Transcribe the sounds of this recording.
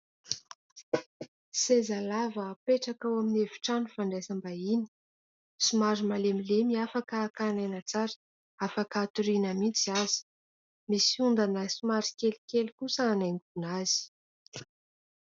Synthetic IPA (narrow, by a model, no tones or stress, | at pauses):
sezalavaːpeʈ͡ʂakawaminevi̥ʈ͡ʂanufaɳɖ͡ʐesambaini̥ | sumaɾimalemilemiafakaːkanajnat͡saɾə̥ | afakaːt̪uɾinəmit͡siazi̥ | misiund̪anəsumaɾi̥kʲelikʲelkusaːnajnk̪unazi̥